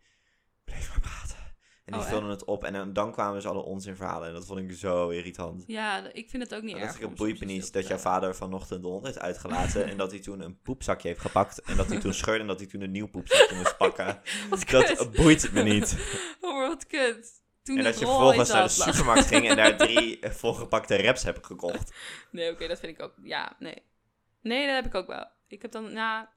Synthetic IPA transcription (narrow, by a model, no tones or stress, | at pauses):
b̥lejfməpraːtə | ɛnifɪlˠdənətɔpɛ̰ndɑnkʋaːməsɑ̰lə̰ʔɔ̰nsɪnvəɹɦa̰ːlˠəɛndɔtfontɪkzowɪritɑ̰ntjaɪkfɪnətowk̚nidsɪkəbujmənitdɔtjɔwfaːdəɹvɑnɔχtəntdɔnthejftœ̰ɥtχəla̰ːtəɛ̰ndɑtitunənpupsɑkjəɦejftχəpɑktɛndɑtitunsχøɹdəɛndɑtitunənːiwpupsɑkjəmʊst̚pɑkədɑbujtmənitʋəɔtkøt | tuɛndɑtjəvəvɔlˠχə̃nsnaːdəsypəɹmɑɹtχɪŋɛndaːɹdrifolˠχəpɑktərɛpshɛbəχəkɔχtneokejdɔtfɪnɪkok̚ja̰ːnḛj | nejdɔtɦɛpɪkowkʋɛ̰lˠ | ɪkɦɛp̚dɑnna